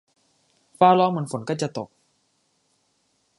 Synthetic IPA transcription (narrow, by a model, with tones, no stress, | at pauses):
faː˦˥˩lɔː˦˥ŋmɯː˧nfo˩˦nkɔː˥˩t͡ɕa˨˩t̪o˨˩k̚